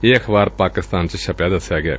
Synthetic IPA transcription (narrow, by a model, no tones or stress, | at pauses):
ɪːəkʰbaːɾpaːkɪst̪aːnt͡ʃʃəpjaːd̪əsːɪjaːɡɪja̰ː